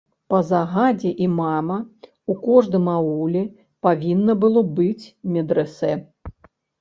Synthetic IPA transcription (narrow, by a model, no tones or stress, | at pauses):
pɐzaɣad͡zʲɛʔimamɐ | ukɔʐd̪ɨmawulʲɛ | pavʲinːɐbɨlˠɔbɨt͡sʲmʲɛd̪ɾɛsɛ